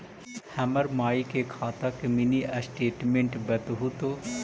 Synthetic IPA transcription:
hɐməɾmaːikekʰaːt̪akeminiʔɐsʈeːʈmẽɳʈbɐt̪ɦut̪oː

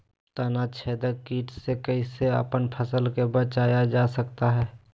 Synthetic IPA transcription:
t̪ənat͡ʃʰeːd̪əkiːʈsekəiseə̰pənpʰəsəlkebət͡ʃaːjad͡ʒaːsəkt̪aɦɛː

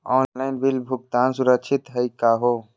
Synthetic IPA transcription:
ɔːnlaɪnbilbʱuk̚t̪aːnsuɾəkt͡ʃʰit̪ɦəjkaɦo

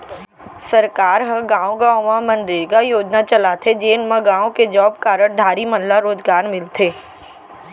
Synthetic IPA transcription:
səɾkaːɾɦəɡãːõɡãːõmãmə̃nɖɪɡajoːd͡ʒnat͡ʃɐlat̪ʰed͡ʒeːnmãɡãːõked͡ʒɔːb̚kaːɾəɽd̪ʱaːɾimənɦlaɾoːd͡ʒɡaːɾmɪlt̪ʰeː

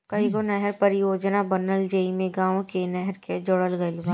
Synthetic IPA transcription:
kɐɦikonɛɦɛɾpɐɾɪjoːd͡ʒnabənəld͡ʒeimẽɡãːʋokenɛɦɛɾked͡ʒʊɽəlɡəelʊɡaː

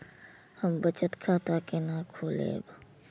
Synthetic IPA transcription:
hɐmbɐt͡ʃət̪kʰaːt̪aːkenakʰoːlḛːb

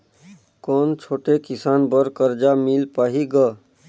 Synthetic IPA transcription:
kont͡ʃʰoːʈekisanbəɾkəɾd͡ʒamilpaɦiɡə

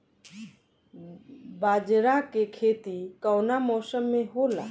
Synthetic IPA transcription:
baːd͡ʒɾakekʰeːt̪ikəwnamɔːsəmːẽɦola̰

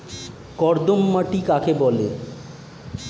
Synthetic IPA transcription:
kɔɾd̪omːaʈikakebɔle

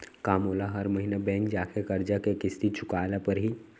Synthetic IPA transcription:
kaːmɦoːlaɦɐɾmɐɦiːnabɛ̃ːŋkd͡ʒaːkʰekɐɾd͡ʒakekɪst̪it͡ʃʰʊkaːlapɐɾɦi

